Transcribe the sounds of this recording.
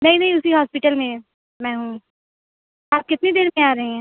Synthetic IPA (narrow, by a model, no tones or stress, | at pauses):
nɐɦĩnɐ̃ɦĩʊsiɦaːspɪʈəlmẽ | mɛ̃ːɦũː | aːb̚kɪt̪nid̪eːɾẽaːɾɐɦẽɦɛ̃ː